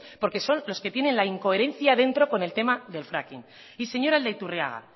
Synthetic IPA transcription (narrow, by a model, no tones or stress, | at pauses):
po̞ɾke̞so̞nlo̞ske̞t̪je̞ne̞nlaiŋko̞e̞ɾe̞n̟θjaðe̞nt̪ɾo̞ko̞ne̞lt̪e̞maðe̞lfɾa̰kin | ise̞ɲo̞ɾaeld̪ejt̪urea̰ɣa̰